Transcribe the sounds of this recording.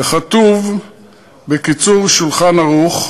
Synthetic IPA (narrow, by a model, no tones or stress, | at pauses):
eχat̪uv | bekit͡suʁʃulχanaʁuχ